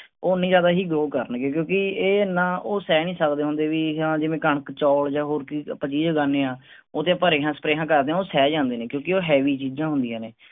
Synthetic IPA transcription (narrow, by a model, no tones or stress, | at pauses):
oːnĩːd͡ʒjaːd̪aːɦiːɡoːkəɾənkekjõːkɪeːnãːʔoːsɛːnĩːsəkd̪eːɦʊ̃nd̪eːʋiːɦãːd͡ʒɪʋẽːkəɳəkt͡ʃɔːld͡ʒãːɦoːɾkiːpat͡ʃiːd͡ʒɡaːneːãː | oːt̪ẽːəpəɾeːɦãːsə̥pɾeːɦãːkəɾd̪eːãːoːsɛːd͡ʒãːnd̪eːnẽːkjõːkɪoːɦɛːʋiːt͡ʃiːd͡ʒãːɦʊ̃nd̪ijãːneː